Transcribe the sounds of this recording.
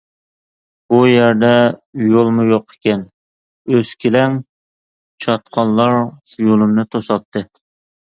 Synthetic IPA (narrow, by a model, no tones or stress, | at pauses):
b̥ujæɾd̪ɛjolˠmujoqʰe̥kʲɛn | øz̥kʲʰelɛŋ | t͡ʃʰɑt̪qʰɑnːˠɑɾsɨjolˠumnɨt̪ʰosɑp̚t̪ʰːɨ